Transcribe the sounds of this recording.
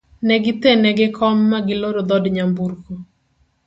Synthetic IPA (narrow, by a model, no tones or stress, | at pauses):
nɛɡɪt̪enɛɡɪkʰɔmːaɡɪloɾod̪ɔdɲamburko